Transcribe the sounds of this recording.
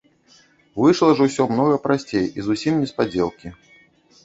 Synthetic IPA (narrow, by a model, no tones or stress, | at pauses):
vɨʂlˠɐʐɐwsʲɔmnɔɣɐpɾasʲt͡sʲejizusʲimnʲɛspad͡zʲɛlˠkʲi